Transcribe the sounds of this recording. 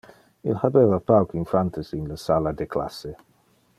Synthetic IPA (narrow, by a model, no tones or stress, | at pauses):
ḭlhabevapawkinfant̪esinləsalad̪ekla̰sːe